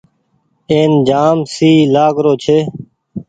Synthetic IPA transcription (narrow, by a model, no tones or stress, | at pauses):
eːnd͡ʒaːmsiːlaːkɾoːt͡ʃʰeː